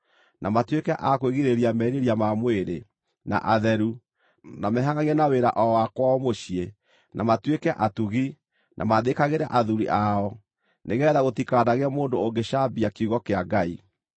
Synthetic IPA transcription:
nʔamatwekɛʔakweɣiɾeɾiamɛɾeɾiamamweɾe | na̰ʔaðɛɾu | namɛɦaɣaɣiɛnaweɾa̰ʔɔwakwaɔmoɕie | nʔamatwekɛʔatuɣi | nʔa̰maðekaɣeɾa̰ʔaðuɾiʔaɔ | neɣɛːðaɣotikaːdaɣeamoːndooŋɡeʃabiakuɣɔkeaɡai

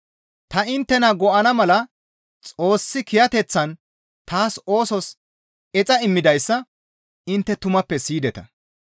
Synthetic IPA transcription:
t̪ɐɪnt̪ːɛnɐɡɔʔɐnɐmɐlɐ | t͡sʼo̞ːsːɪkɪjɐt̪ɛt͡sːɐn | t̪aːso̞ːsɔs | ɛt͡sʼɐɪmːɪd̪ɐjsːɐ | ɪnt̪ːɛt̪ʊmɐpːɛsiːd̪ɛt̪ɐ̰

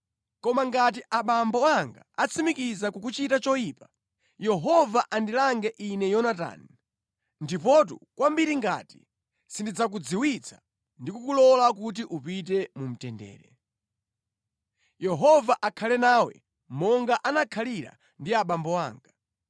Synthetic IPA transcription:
kɔmaŋɡat̬iʔaɓambɔwaŋɡa̰at͡sʰimikizakukut͡ʃitat͡ʃɔjiːpa | jɛɦɔvaʔandilaŋɡɛʔinɛjɔnata̰ːni | ndipɔt̬ṵkwambiɾiŋɡa̰ti | sindid͡zak̬ud͡ziwit͡sʰḁ | ndikukulɔlak̬ut̬iʔupit̬ɛmum̩tɛndɛ̰ːɾɛ | jɛɦɔvaʔakʰalɛnaːwɛ̰ | mɔŋɡaʔanakʰaliɾa̰ | ndiaɓambɔwa̰ːŋɡa

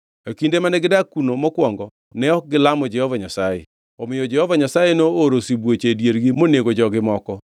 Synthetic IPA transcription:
akindemanɛɡɪdakunomɔkwɔŋɡɔ | nɛɔk̚ɡɪlamɔd͡ʒɛhɔvaɲasajɛ̰ | ɔmɪjɔd͡ʒɛhɔvaɲasajenooɾosibwot͡ʃedjeɾɡɪmoneɡod͡ʒɔɡɪmɔkɔ

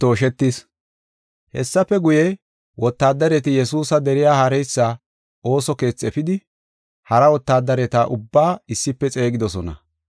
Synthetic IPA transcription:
t̪o̞ːʃɛt̪ːis | hɛ̰sːɐfɛɡʊjɛ | wɔt̪ːaːd̪ːɐɾɛt̪ɪjɛsuːsɐd̪ɛɾɪjaːhɐɾɛjsːa | o̞ːsɔke̞ːt͡sːɛfɪd̪ɪ | hɐɾɐwɔt̪ːaːd̪ːɐɾɛt̪aːʔʊbːaːɪsːɪpːɛt͡sʼe̞ːɡɪd̪ɔsɔnɐ̰

